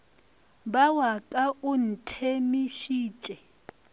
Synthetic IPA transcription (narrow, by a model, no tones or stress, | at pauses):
bawakʼaun̩tʰemiʃiːt͡ʃʼɛ